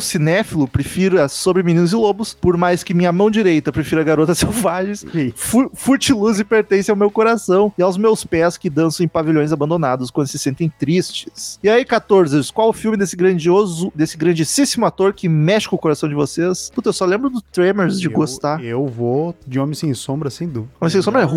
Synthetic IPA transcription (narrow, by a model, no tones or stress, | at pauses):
ʊsinɛfilʊpɾefiɾʊɐsobɾɪminĩnʊzɪlobʊspoɾmajskɪmĩɲɐmɐ̃w̃d͡ʒiɾejt̪ɐpɾefiɾɐɡaɾot̪ɐsewvaʒẽj̃sfufuɾt͡ʃiluzɪpeɾt̪ẽsɪawmewkoɾasɐ̃w̃ɪawzmewspɛskɪd̪ɐ̃sɐ̃ẽpaviʎõj̃zabɐ̃nd̪onad̪ʊskwɐ̃nd̪ʊsɪsẽnt̪ẽj̃t̪ɾist͡ʃɪ̥sɪaikat̪oɾzɪskwawʊfiwmɪd̪esɪɡɾɐ̃d͡ʒiozʊd̪esɪɡɾɐ̃d͡ʒisisimʊat̪oɾkɪmɛʃɪʊkoɾasɐ̃w̃d͡ʒɪvosesput̪ɐewsɔlẽbɾʊd̪ʊt̪ɾemeɾzd͡ʒɪɡostt̪aɾewvod͡ʒɪõmẽj̃sẽj̃sõbɾɐsẽj̃d̪uviõmẽsẽsõbɾɛ